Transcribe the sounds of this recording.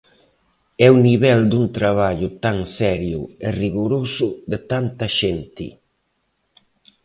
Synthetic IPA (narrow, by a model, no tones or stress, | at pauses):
ɛuniβɛld̪unt̪ɾaβ̞aʎʊt̪aŋsɛɾjʊ̰ɪriɣuɾosʊðɪt̪ant̪ɐʃent̪ɪ̰